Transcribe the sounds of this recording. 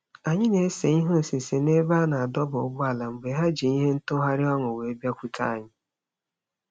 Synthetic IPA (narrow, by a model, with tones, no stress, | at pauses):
a˨ɲɪ˦ne˨˦se˨i˦ɦʊ˦n̩˨sɪ˨se˨ne˦ba˦na˨a˨dɔ˦bʊ˨ʊ˦bʊ˦a˨la˨ŋ͡m̩˨ɡ͡be˨˦ɦa˦d͡ʒi˨i˦ɦe˦n̩˦tʊ˦ɦa˦ɾɪ˦ɔ˦ŋʊ˨we˨e˦bja˦kʷi˦kʰa̰˦a˨ɲɪ˦